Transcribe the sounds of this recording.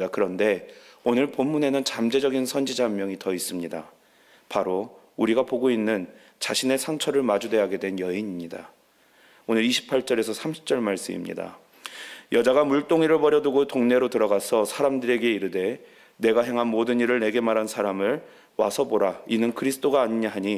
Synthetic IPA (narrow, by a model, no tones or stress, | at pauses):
akɯɾʌnde̞onɯɭpomːune̞nɯnt͡ɕamd͡ʑe̞d͡ʑʌɡinsʰʌnd͡ʑid͡ʑamjʌŋitʌis͈ɯmɲida | paɾo | uɾiɡapoɡoinːɯn | t͡ɕaɕʰine̞sʰaŋt͡ɕʰʌɾɯɭmad͡ʑude̞ɦaɡe̞dwe̞njʌiɲimɲida | onɯɾiɕʰi̥pʰːaɭt͡ɕ͈ʌɾe̞sʰʌsʰamɕʰi̥p̚t͡ɕ͈ʌɭmaɭs͈ɯmḭmɲḭda̰ | jʌd͡ʑaɡamuɭt͈oŋiɾɯɭpʌɾjʌdoɡotoŋne̞ɾotɯɾʌɡasʰʌsʰaɾamdɯɾe̞ɡe̞iɾɯde̞ | ne̞ɡaɦe̞ŋɦanmodɯɲiɾɯɭne̞ɡe̞maɾɦansʰaɾamɯɭ | wa̰sʰʌboɾainɯnkɯɾisʰɯ̥t͈oɡaːɲiɲaɦaɲi